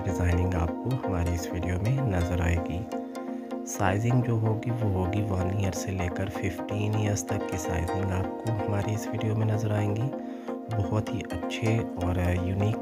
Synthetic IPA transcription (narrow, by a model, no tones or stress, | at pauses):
ɖɪzaːɪnɪ̃ŋɡa̰ːp̚koɦɐmaːɾiɪsʋiːɖijomẽnɐzəɾaːḛːɡiː | saːɪzɪ̃ŋɡd͡ʒoːɦoːɡiʋoɦoːɡiʋaːnijəɾseleːkəɾfɪfʈiːnijəzt̪ɐkːisa̰ːɪzɪ̃ŋɡaːp̚koɦɐmaːɾiɪsʋiːɖijomẽnɐzəɾaːẽːŋɡiː | bɔɦʊt̪ɦiʔɐtːʃʰeɔːɾjuːniːk